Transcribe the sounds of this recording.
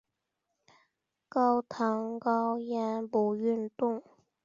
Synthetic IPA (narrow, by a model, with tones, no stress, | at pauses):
kɑ˧wt̪ʰa˨˥ŋkɑ˧wjɛ˨˧˥npo˨˩wjy˥˩nt̪ʊ˥˩ŋ